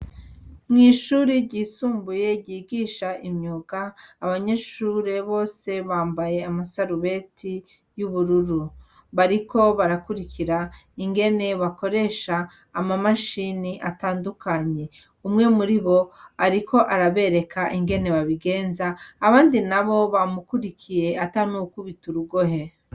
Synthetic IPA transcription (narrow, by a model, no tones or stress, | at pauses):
mŋiːʃuːɾiɟiːsuːmbuje̞ɟiːɡiːʃaʔimɲoɡ̥aːβaɲeʃuɾe̞βo̞ːse̞βaːmbaje̞amasaɾuβe̞tʰi | juβuɾuɾu | βaɾikʰo̞βaɾakuɾikiɾa | iŋɡe̞ne̞βako̞ɾe̞ʃaː | mamaʃiniʔataːndukaɲe̞ | umŋe̞muɾiβo̞aɾikʰo̞ʔaɾaβe̞ɾe̞kʰaʔiŋɡe̞ne̞βaβiɡe̞ːnzaːβaːndinaβo̞βamukuɾikʰije̞atanukuβituɾuɡo̞ɦe